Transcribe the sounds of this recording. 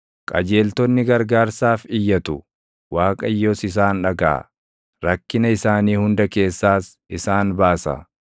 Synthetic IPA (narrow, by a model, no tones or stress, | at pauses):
kʼɐd͡ʒe̞ːlt̪ɔnːɪɡɐɾɡaːɾsaːfɪjːɐt̪ʊ | waːkʼɐjːoːsɪs̬aːnᶑɐɡa̰ː | ɾɐkːɪnɐɪsaːniːhʊnd̪ɐke̞ːsːaːs | ɪsaːnbaːsɐ̰